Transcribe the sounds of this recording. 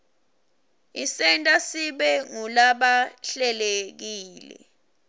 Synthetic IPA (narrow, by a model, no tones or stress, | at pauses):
isɛntʼasiɓɛŋulaɓaɬɛlek̬iːlɛ̰